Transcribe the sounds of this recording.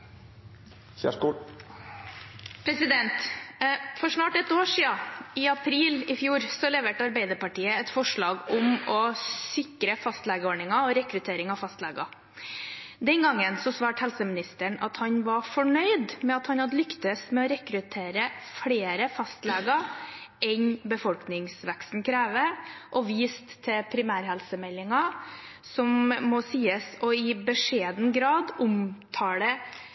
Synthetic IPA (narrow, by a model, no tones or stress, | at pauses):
æ̰kː | pʰɾɛsɪd̪ɛnt̪ | fɔʂnɑːʈɛt̪oːʂiːɑɪɑpʰɾiːlɪfjuːɾsɔlɛʋeːʈəɑɾbæɪd̪əɾpɑʈiːəɛt̪fɔʂɭɑːɡʊmɔsɪkɾəfɑst̪læːɡəoːɳɪŋɑɔɾɛkɾʉt̪ʰeːɾɪŋɑfɑst̪lɛːɡɑ | d̪ɛnɡɑŋːənsɔsʋɑːʈhɛlsəmɪnɪst̪əɳɑ̰t̪hɑɲʋɑfɔɳœʏd̪mɛɑt̪hɑnhɑd̪əlʏkt̪əsmɛɔɾɛkɾʉt̪ʰeːɾəfɽeːɾəfɑst̪lɛɡəʔɛɲbəfɔlknɪŋsʋɛkst̪n̩kʰɾæːʋəʔɔʋiːst̪ʰːɛpʰɾɪmæːɾhɛlsəmɛlːɪŋɑ | sɔmːɔsiːəsɔɪbəʂeːd̪n̩ɡɾɑːd̪ʊmt̪ʰɑːɽə